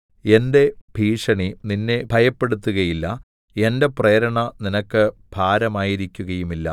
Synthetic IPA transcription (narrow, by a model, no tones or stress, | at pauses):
e̞nde̞bʱiːʂɐɳininːebʱɐjɐpːe̞ɽut̪ːuɣɐjilːɐ | e̞nde̞prejːɾɐɳɐninɐkːɨb̥ʱaːɾɐmaːjiɾikʲːuɣɐjumilːɐ̰